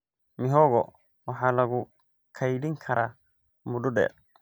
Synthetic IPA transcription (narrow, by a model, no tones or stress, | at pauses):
mɪɦɔɣɔ̰ | wɑħɑːlɐɣʊ | kʰɐjɖɪŋkʰɐɾaː | mʊdʊɖɛ̰ːr